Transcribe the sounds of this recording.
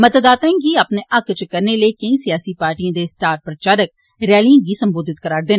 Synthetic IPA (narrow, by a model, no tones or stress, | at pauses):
məd̪əd̪aːt̪ãːɡiːaːpneːʔɐkt͡ʃəkəɾneləikə̃ĩːsijaːsiːpaːɾʈiãːd̪eːsʈaːɾpɾət͡ʃaːɾək | ɾɛːliãːɡiːsəmboːd̪ɪt̪kəɾaːɾd̪eːn